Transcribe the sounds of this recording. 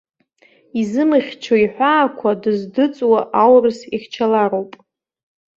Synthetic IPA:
izɨmɨχʲt͡ʃʰoiħʷaːkʷʰadɨzdɨt͡sʼwaʔawrɨsiχʲt͡ʃʰalaɾo̞wpʼ

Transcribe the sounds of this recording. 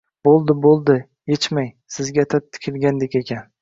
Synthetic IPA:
bolˠd̪ɪbolˠd̪ɪ | jet͡ʃmajsɪzɡʲat̪ʰap̚t̪ʰɪ̥kʲʰɪlˠɡʲand̪ekʲekʲʰan

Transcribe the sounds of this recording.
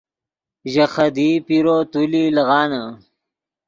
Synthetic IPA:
ʒaxad̪ipiɾot̪ulilɐɣɑːna

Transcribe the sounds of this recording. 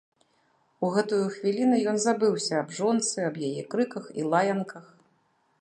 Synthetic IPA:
uɣɛt̪ujuxvʲilʲinujɔnzabɨwsʲɐːbʐɔnt̪sɨɐbjajɛkɾɨkɐxḭlˠajɐnkɐx

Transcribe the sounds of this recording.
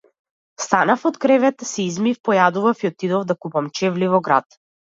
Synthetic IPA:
st̪anafɔt̪kɾɛvɛt̪sɛizmifpɔjad̪uvafiɔt̪id̪ɔvd̪akupamt͡ʃɛvlivɔɡɾa̰t̪

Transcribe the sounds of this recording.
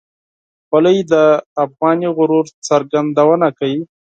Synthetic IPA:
walajd̪əafɣɑniɣʊɾuɾt͡səɾɡand̪awənakawi

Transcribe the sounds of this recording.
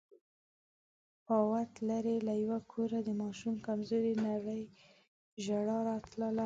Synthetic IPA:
pɑwat̪laɾelajwakʰoɾad̪əmɑʃumkamzoɾinaɽəj | ʒaɽɑɾɑt̪ləla

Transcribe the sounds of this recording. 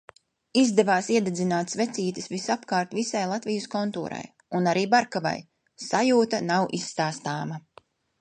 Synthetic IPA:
izd̪ɛvaːsiɛd̪ɛd̪zinaːt̪svet̪siːt̪isvisapkaːɾt̪visajlˠat̪vijəskɔnt̪ṵːɾa̰j | unaɾiːbaɾkava̰j | sajuːt̪anawʔisːt̪aːst̪aːma

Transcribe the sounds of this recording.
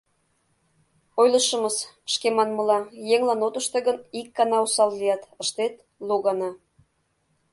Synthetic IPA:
ojləʃə̆məs | ʃkemɑnməlɑjeŋlɑnot̪ə̆ʃt̪eɣənikːɑnɑusɑllijɑt̪ə̆ʃt̪et̪ | loɣɑnɑ

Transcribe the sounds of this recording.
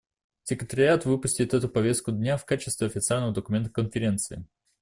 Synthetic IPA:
sʲɪkɾʲɪt̪əɾʲɪat̪vɨpʊsʲtʲɪt̪ɛt̪ʊpɐvʲe̞st̪kʊd̪ʲnʲafkat͡ɕɪst̪vʲɪɐfʲɪt̪sɨalʲnəvəd̪əkʊmʲe̞nt̪ə̥kənfʲɪɾʲe̞nt̪sɨɪ

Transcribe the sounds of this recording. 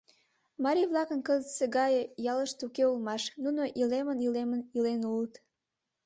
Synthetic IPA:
mɑɾʲiβlɑkənkəzəseɣɑjejɑləʃt̪ukeulmɑʃnunoʔilemənilemənilenulət̪

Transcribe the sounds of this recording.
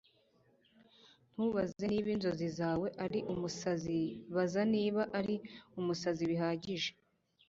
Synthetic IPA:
n̥huβazeniːβinzo̞zizaːwe̞ʔaɾiʔumusaziβazaniːβaʔaɾiumusaziβiɦaːɟiʒe

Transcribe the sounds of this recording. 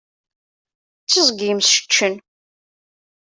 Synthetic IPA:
t͡st͡sːəzɡimsʃə̥t͡ʃːən

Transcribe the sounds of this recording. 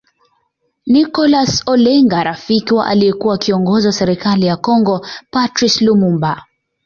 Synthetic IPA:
nikɔlasɔlɛŋɡaɾafikiwa̰ʔa̰lijɛkuwakiɔŋɡɔzwasɛɾɛkalijakɔŋɡɔpatɾislumumba

